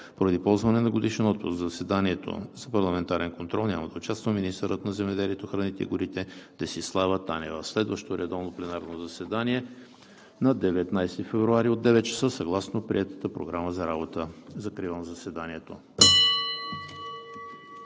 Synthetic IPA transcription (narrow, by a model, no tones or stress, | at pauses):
poɾɐd̪ipɔlˠzvɐnɛnɐɡod̪iʃɛnɔt̪̚pʊsɡzzəsɛd̪aniɛt̪o̰z̥ɐpɐɾlˠɐmɛnt̪aɾɛnkont̪ɾɔlˠnʲa̰məd̪ɐʊt͡ʃast̪vəminist̪əɾət̪nɐzɛmɛd̪ɛliɛt̪oxɾɐnit̪ɛḭɡʊɾit̪ɛd̪̥ɐsislˠavət̪anɛvəslɛd̪vəʃt̪oɾɛd̪ɔvnoplɛnaɾnozɐsɛd̪aniɛ | nɐd̪ɛvɛt̪najst̪ifɛvɾuaɾiod̪ːɛvɛt̪̚t͡ʃə̥səsɐɡlˠasnopɾḭɛt̪ə̥t̪əpɾo̰ɡɾaməzɐɾabot̪əzɐkɾivənɐzɐsɛd̪aniɛt̪o